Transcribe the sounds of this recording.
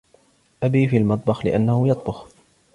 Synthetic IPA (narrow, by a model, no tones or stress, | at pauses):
ʔabiːfiːlmɑt̪ˤbɑxlɪʔanːahʊjɑt̪ˤbʊx